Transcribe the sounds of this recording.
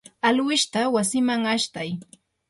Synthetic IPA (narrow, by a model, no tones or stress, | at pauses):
alwɪʃt̪awasɪmaŋaʃt̪aj